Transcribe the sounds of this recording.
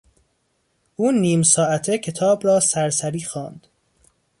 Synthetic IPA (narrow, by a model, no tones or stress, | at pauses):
ʔuːniːmsɒːæt̪ʰecʰe̞t̪ʰɒːbɾɒːsæɾsæɾiːxɒːnd̪̥